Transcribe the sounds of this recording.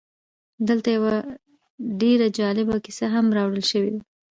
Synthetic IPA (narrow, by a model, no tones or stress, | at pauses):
d̪əlt̪ajawa | ɖeɾad͡ʒɑlɪbakisaɦamɾɑwɽəlʃəwed̪a